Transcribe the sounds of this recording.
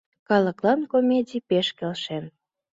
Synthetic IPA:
kɑləklɑnkomʲedʲipeʃkelʃen

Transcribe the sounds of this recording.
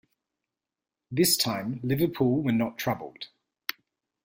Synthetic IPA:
ðɪstʰãɪ̃mlɪvəpʰuːlˠwənətʰɹ̥ʌbə̰lˠd̥

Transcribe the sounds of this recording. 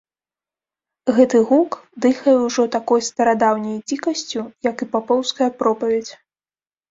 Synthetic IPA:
ɣɛt̪ɨɣukd̪ɨxɐjɛwʐɔt̪akɔjst̪ɐɾad̪awnʲɐjt͡sʲikɐsʲt͡sʲujɐkɨpapɔwskɐjɐpɾɔpɐvʲet͡sʲ

